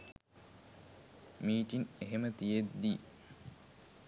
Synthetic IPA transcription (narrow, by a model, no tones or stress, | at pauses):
miːʈineɦemət̪ijed̪d̪iː